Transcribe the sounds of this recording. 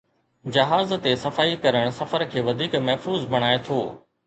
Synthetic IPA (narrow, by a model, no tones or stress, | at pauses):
d͡ʑɐɦaːzt̪esɐfaːikɐɾəɽ̃sɐfəɾkʰeːʋɐd̪ʱiːkmɐɦfuːzbʱɐɽ̃aːet̪ʰoː